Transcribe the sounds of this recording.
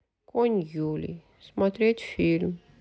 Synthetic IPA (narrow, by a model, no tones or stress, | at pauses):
kʰonjulḭ | smat̪ɾet̪film